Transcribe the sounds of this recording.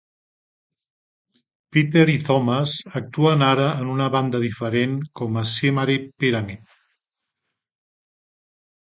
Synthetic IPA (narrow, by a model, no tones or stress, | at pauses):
pit̪eɾiθɔmasak̚t̪uanaɾaːnunaβand̪ɐðifəɾeŋkɔmasemaɾepeɾamet̪